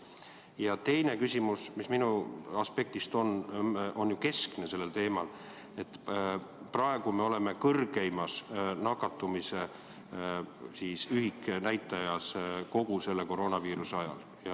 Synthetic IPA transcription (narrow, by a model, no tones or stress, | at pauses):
jɑt̪e̞jne̞kysʲimusmisminuɑspe̞k̚t̪ist̪o̞no̞njuke̞skne̞se̞lːe̞lt̪e̞ːmɑl | e̞t̪ː | prɑe̞ɡ̥ume̞o̞le̞me̞kɤrɡ̥ejmɑsnɑkːɑt̪ːˑumise̞ | siːsyɦiknæjt̪ːˑɑjɑsko̞ɡ̥use̞lːe̞ko̞ɾo̞ːnɑviːɾuseɑjɑ̰l | jɑ